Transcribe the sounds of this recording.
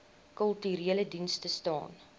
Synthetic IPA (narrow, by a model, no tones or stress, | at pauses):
kəlˠtyɾiələdinstəstɑ̰ːn